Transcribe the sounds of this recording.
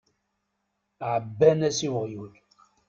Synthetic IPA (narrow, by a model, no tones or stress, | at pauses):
ʕəbːænæsiwʁjul